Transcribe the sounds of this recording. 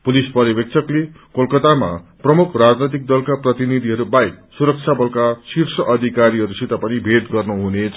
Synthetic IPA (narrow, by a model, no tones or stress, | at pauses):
pulispʌɾibek̚t͡sʰʌkle | kolkʌt̪ama̰prʌmukʰrad͡znʌjt̪ik̚d̪ʌlkaprʌt̪inid̪ʱiɦʌɾubaik̚suɾʌk̚t͡sʰjabʌlkasirsʌʔʌd̪ʱikaɾiɦʌɾusit̪apʌnibʱet̪ɡʌrnuɦunet͡sʰ